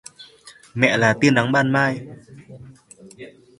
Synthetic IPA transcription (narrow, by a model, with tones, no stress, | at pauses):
mɛ̰˧˨laː˨˩t̪i˧ənːa˨˦ŋɓaː˧˥˨nmaː˧˩j